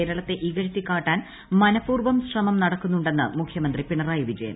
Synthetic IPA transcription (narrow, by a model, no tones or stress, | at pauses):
ɾɐɭɐt̪ːe̞ʔiɣɐɻit̪ːikːaːʈːaːn | mɐnɐpːuːrʋɐmsrɐmɐmnɐɽɐkːunːuɳɖe̞nːɨ̰mukʰjɐmɐnd̪ripiɳɐraːjuʋid͡ʑɐjɐ̰m